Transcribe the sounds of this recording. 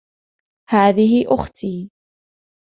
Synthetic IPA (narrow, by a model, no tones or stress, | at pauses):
haːðɪhɪʔʊxt̪iː